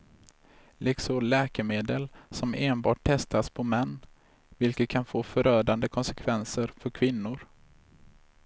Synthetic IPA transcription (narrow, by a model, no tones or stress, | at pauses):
lʔɪksɔlɛːkəmeːd̪əlsɔmeːnbɑːʈ̚t̪ʰːɛst̪aspʰɔmɛnː | vɪlkət̪̚kʰanfoːfœɾœːɖand̪əkʰɔnsɛkʰvɛnsəɾfœɾkʰvɪnːʊɾ